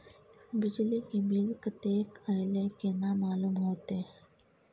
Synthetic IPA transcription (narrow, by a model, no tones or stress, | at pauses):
bɪd͡ʒlikebɪlkət̪eːkəjlekenamaːluːmɦoːt̪eː